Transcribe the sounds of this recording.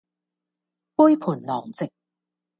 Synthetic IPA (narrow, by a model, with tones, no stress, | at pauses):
puː˥jpʰuː˨˩nlɔː˨˩ŋt͡sɪ˨k̚